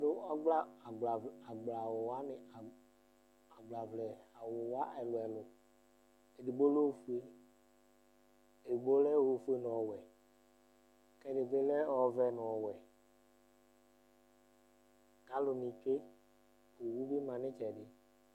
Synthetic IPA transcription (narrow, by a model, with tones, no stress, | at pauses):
dʊ˦ɔ˦ɡ͡bla˦˨ɡ͡ba˨a˨ɡ͡bla˨wo˨wa˦nɪ˨ | a˨ɡ͡bla˨vlɛ˨a˨wo˨wa˦ʔɛ˨lʊ˨ɛ˨lʊ˨ | e˨di˨ɡ͡bo˦lo˦˨fu˦e˦ | e˨dɡ͡bo˦lɛ˦wo˨fu˦e˦nʊ̃˨ɔ˨wɛ˨ | kɛ˦dɪ˨ve˦lɛ˦ɔ˦vɛ˦nʊ̃˨ɔ˨wɛ˨ | ɡã˦lʊ˨nĩ˨t͡ʃe˦ | o˨wu˦be˦mã˨nɪ̃˦t͡ʃɛ˨ɖɪ˨